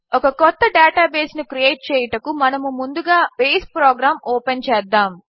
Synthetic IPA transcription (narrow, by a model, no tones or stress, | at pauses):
ɔkɐkɔt̪ːɐɖaːʈaːbeːsnukɾijeːʈ̚t͡ʃɛːjɐʈɐkumɐnɐmumund̪uɡaːbeːspɾoːɡɾaːmoːpent͡ʃɛːd̪ːaːm